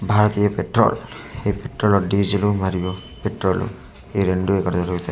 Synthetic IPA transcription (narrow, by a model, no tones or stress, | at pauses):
bʱaɾɔt̪ijɔpeʈɾɔ̰lhejpeʈɾɔlɔɖid͡ʒilumaɾibɔpeʈɾɔlṵ | eɾeɳɖuekɔɾd̪ɔɾʰɔɡɔt̪ʰa